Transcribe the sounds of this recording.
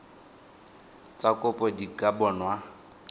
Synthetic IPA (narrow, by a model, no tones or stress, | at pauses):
t͡sʼakʼʊpʼɔdikʼabɔnwa